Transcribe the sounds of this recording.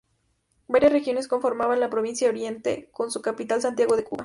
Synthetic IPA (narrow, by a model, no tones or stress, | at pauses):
baɾjasrexjo̞ne̞sko̞ɱfo̞ɾmaβanlapɾo̞βinsjaðoɾje̞nt̪ḛko̞nsukapit̪alsant̪jaɣo̞ðe̞kṵβa